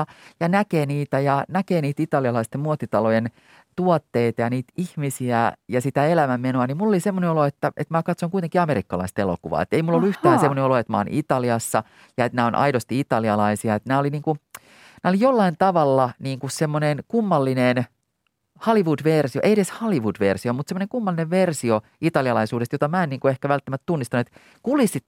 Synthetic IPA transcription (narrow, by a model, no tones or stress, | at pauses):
ɑjɑnækeːniːt̪æjɑnækeːniːt̪it̪ɑliɑlɑist̪emmuot̪ːit̪ɑlojen | t̪uot̪ːeit̪ɑjɑniːt̪ihmisiæjɑsit̪æelæmæmːenoɑnimmulːolisemːoneoloet̪ːæʔet̪mækɑt̪soŋkuit̪eŋkiɑmeɾikːɑlɑ̰ist̪elo̰kuʋɑ̰ːḛt̪ːeimulːolːuyht̪æːnsemːoneoloet̪mæɑo̰nʔit̪ɑliɑsːɑ | jɑet̪næːonʔɑ̰idost̪iit̪ɑliɑlɑisiɑet̪næːoliniːŋku | næːolijolːɑint̪ɑʋɑlːɑniːŋkussemːonenkumːɑlːinen | hɑliʋudʋersio̰ʔeieɾeshɑliʋudʋersiomut̪semːŏneŋkumːɑlːineʋʋersio | it̪ɑliɑlɑisuːɾest̪jot̪ɑmæeniːŋkuehkæʋælt̪ːæmæt̪t̪unːist̪ɑnuet̪ | kulisit̪